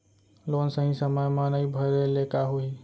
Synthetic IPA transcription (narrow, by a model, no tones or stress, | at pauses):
lonsə̃ɦĩsəməjmanəjbʱəɾelekaɦoi